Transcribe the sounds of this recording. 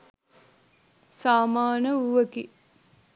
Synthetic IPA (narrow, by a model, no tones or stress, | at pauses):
saːmaːnəuʋəki